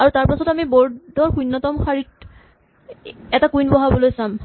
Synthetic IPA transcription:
aɹutaɹpasɔtamibɔɹdɔɹxujnːɔtɔmxaɹit̚ | ɛtakujnbɔɦabɔlojsam

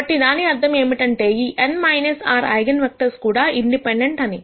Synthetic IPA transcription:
ɐʈːid̪aːniɐɾt̪ʰɐme̞ːmiʈɐɳʈe̞ːiːʔenmɐjnesaːɾɐ̰jɡɐnʋɐk̚ʈɐɾskuːɽaːʔiɳɖipeɳɖeɳʈɐni

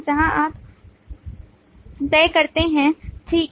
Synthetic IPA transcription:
d͡ʒɐɦãʔaːp | t̪ɛːkɐɾt̪eɦɛ̃ʈʰiːk

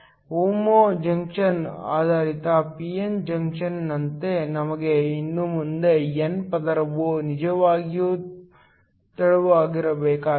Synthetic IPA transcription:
uːmoːd͡ʒɐŋkʂɐna̰ːd̪ʱaːɾit̪ɐpiend͡ʒɐŋkʂɐnːɐnt̪enɐmɐɡeinːumund̪e̞enpɐd̪ɐɾɐʋunid͡ʒɐʋaːɡijuː | t̪ɐɭɐʋuaːɡiɾɐbɛːkaː

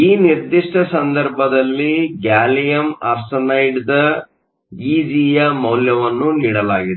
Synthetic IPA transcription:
iːniɾd̪iʂʈɐsɐnd̪ɐɾbʱɐd̪ɐlːiɡaːlijɐma̰ɾsɐnɐjʈd̪ɐ | iːd͡ʒiːjɐmɐwljɐʋɐnːuniːɽɐlaːɡid̪e

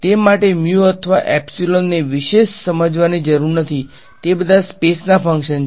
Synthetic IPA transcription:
t̪emaʈemjuət̪ʰəʋa̰ʔɛpsilonːeʋiʃeʃsəməd͡ʒʋanid͡ʒəɾuɾnət̪ʰi | t̪ebəd̪ʱaspesnafʰə̃ŋkʃən

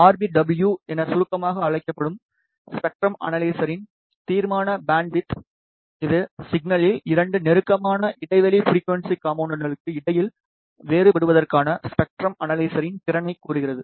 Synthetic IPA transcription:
aːɾbiɖɐbljuɛnɐsʊɾɯkːɐmaːɣɐːɻɐɪkːɐpːɐɽɯm | spɛk̚ʈɾɐmɐ̰nɐlɐɪsɐɾɪn | t̪iːɾmaːnɐbaːɳɖ̚bɪt̪ | ɪðɯsɪɡnɐlɪlɪɾɐɳɖɯnɛɾɯkːɐmaːnɐʔɪɽɐɪʋɐlifɾiːkːʋɛnsikaːmɐːɳɖɐnɡɐɭɯkːɯɪɽɐjɪl | ʋeːɾɯpɛɽɯʋɐðɐrkaːnɐspɛk̚ʈɾɐmɐnɐlɐɪsɐɾɪnt̪ɪɾɐnɐɪkːuːɾɯɣɪɾɐðɯ

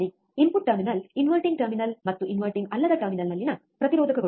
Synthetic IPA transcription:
i | impuʈːɐɾminɐlinʋɐlʈiŋɡʈɐɾminɐlmɐt̪ːuʔinʋɐlʈiŋɡɐlːɐd̪ɐʈɐɾminɐlnɐlːinɐ | pɾɐt̪iɾoːd̪ʱɐkɐɡɐ

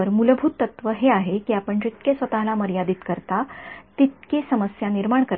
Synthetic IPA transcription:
əɾmuləbʱuːt̪ːət̪ʋəɦeaɦekiːapəɳt͡ɕit̪kesʋət̪alaməɾjad̪iːt̪kəɾt̪at̪it̪̚kesəməsjaniɾmaɳkəɾ

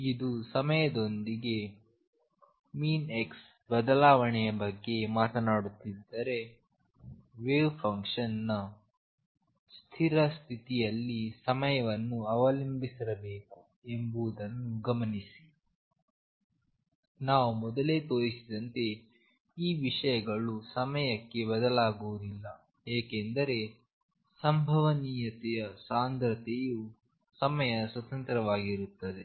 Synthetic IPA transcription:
id̪usɐmɐjɐd̪o̞nd̪iɡe̞ | miːneks | bɐd̪ɐlaːʋɐɳɛjɐbɐɡːe̞maːt̪ɐnaːɽut̪ːid̪ːɐɾe̞ | ʋeːʋpʰɐŋkʂɐnːɐ | st̪ʰiɾɐst̪ʰit̪ijɐlːisɐmɐjɐʋɐnːuɐʋɐlimbisiɾɐbeːku | e̞mbuʋud̪ɐnːuɡɐmɐnisi̥ | naːʋumɔd̪ɐle̞ːt̪oːɾisid̪ɐnt̪e̞ | iːʋiʂɐjɐɡɐɭusɐmɐjɐkːe̞bɐd̪ɐlaːɡuʋɐd̪ilːɐ | eːkend̪ɐɾe̞ | sɐmbʱɐʋɐniːjɐt̪ɛjɐsaːnd̪ɾɐt̪eju | sɐmɐjɐswɐt̪ɐnt̪ɾɐʋaːɡiɾut̪ːɐd̪e̞

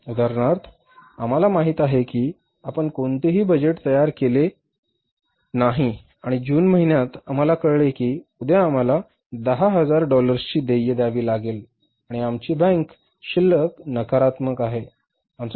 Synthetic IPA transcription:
ud̪aɾɳaɾt̪ʰ | am̤alamaɦit̪aɦekiː | apəɳkoɳt̪eɦiːbəd͡ʑeʈt̪əjaɾkele | naɦi | aɽ̃id͡ʑuːnməɦinjat̪am̤alakəɽɭekiːud̪eam̤ala | d̪əɦaɦəd͡zaɾɖɔləɾst͡ɕiːd̪ejəd̪aʋiːlaɡel | aɽ̃iamt͡ɕiːbə̃ŋk | ɕilːəknəkaɾat̪məkaɦe | amt͡s

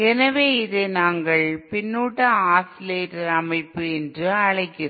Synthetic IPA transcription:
ɛnɐʋeːɪðeːnaːŋɡɐɭpɪnːuːʈːɐaːsɪleːʈɐɾɐmɐɪpːɯɛndrɯɐɭɐɪkːɪrɐ

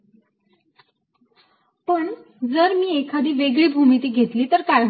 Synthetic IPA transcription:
pəɳ | d͡zəɾmiːekʰad̪iːʋeɡɭiːbʱumit̪iːɡʱet̪liːt̪əɾkaj

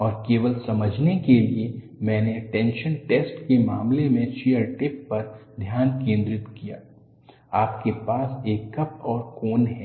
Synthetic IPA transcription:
ɔːɾkeːʋəlsɐməd͡ʒʱnekelie | mɛ̃ːneʈɛ̃ːnʃənʈeːsʈkemaːmlemẽʃijəɾʈɪpːɐɾd̪ʱjaːnkẽːnd̪ɾɪt̪kija̰ː | aːpkepaːseːkːɐp̚ɔːɾkoːnɦɛː

